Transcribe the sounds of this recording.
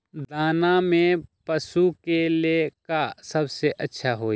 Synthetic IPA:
d̪aːnamẽpɐsukelekasɐbseʔɐtːʃʰaɦoː

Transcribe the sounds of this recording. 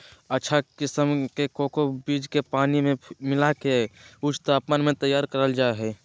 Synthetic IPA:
ətːʃʰakɪsəmkekoːkobiːd͡ʒkepaːnimẽmɪlakeʊt͡ʃt̪aːpmənmẽt̪əjaːɾkəɾəld͡ʒaeɦɛː

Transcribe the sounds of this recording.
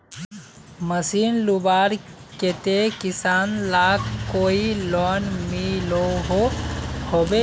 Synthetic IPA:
məsiːnlubaːɾ | ket̪ekɪsaːnlaːkkːoːilɔːnmiloɦohoːbe

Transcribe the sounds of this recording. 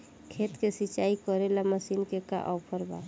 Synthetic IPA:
kʰet̪kesit͡ʃaikɔɾelaməsinkeka̰ʔɔpʰəɾba̰

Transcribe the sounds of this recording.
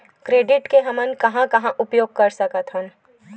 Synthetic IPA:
kɾeːɖɪʈkeɦɐmənkɐɦãkɐɦãʔʊpjoːɡ̚kɐɾsɐkət̪ɦə̃n

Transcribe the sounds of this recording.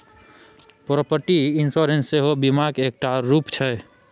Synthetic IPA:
pɾɔpəɾʈiɪnsoɾensːeɦobimaɡeːk̚ʈaɾuːpt͡ʃʰɛ

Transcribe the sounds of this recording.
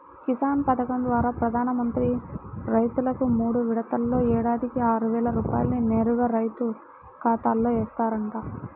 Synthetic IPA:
kisaːnpɐd̪ɐkɐmd̪ʋaːɾaːpɾɐd̪ʱaːnɐmɐnt̪ɾiɾɐjt̪ulɐkumuːɽuʋiɽɐt̪ɐlːo̞ːɛːɽaːd̪ikiaːɾuʋɛːɭɐɾuːpa̰ːjɐlnineːɾuɡɐɾɐjt̪u | kaːt̪aːlːo̞ːɛːst̪aːɾɐɳʈaː

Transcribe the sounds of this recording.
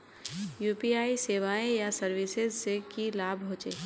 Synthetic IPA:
juːpiaːiseːʋaːẽjasəɾʋɪsɪzsekilaːbʱɦʊ̃t͡ʃeː

